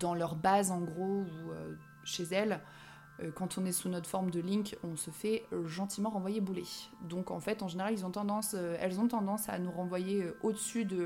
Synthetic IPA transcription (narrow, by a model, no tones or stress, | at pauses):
d̪̥ɑ̃lœʁbazɑ̃ɡʁouø | ʃezɛl | økɑ̃t̪ʰɔ̃nɛsunɔt̪χfɔʁmd̪əlĩkɔ̃səfɛøʒɑ̃t̪imɑ̃ʁɑ̃vwajebuled̪ɔ̃kɑ̰̃fɛt̪ɑ̃ʒeneʁalilzɔ̃t̪ɑ̃d̪ɑ̃søɛlzɔ̃t̪ɑ̃d̪ɑ̃sa̰nuʁɑ̃vwajeøʔod̪əsyd̪ə